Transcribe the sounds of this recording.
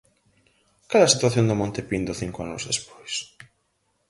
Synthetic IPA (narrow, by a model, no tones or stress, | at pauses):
kalɐsit̪waθjõnd̪ʊmõnt̪epind̪oθiŋkoa̰nʊ̰zðespo̥js